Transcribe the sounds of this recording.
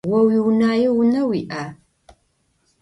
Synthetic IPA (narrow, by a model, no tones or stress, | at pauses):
wɐwiːwnaːjɪwʊnɐwiːʔaː